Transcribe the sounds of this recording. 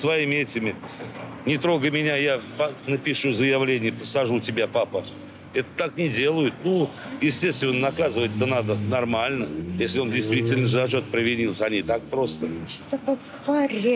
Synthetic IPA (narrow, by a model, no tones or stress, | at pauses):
svɐimʲɪɛtʲɪmʲɪ | nʲɪt̪ɾo̞ɡəmʲɪnʲajapɐnəpʲɪʂuzəjɪvlʲenʲɪjəpəsɐʐutʲɪbʲapapə | ɛt̪ə̥t̪aknʲɪdʲe̞lˠʊjʊt̪nujɪsʲtʲe̞st̪vʲɪnːənɐkazɨvətʲɛt̪ənad̪ənɐrmalʲnəjesʲlʲɪo̞ndʲɪjst̪vʲitʲɪlʲnəʐɨzɐt͡ɕot̪̚pɾɪvʲɪdʲilˠsʲɐnʲit̪ak̚pɾo̞st̪ət̪ɐko | pɐɾʲ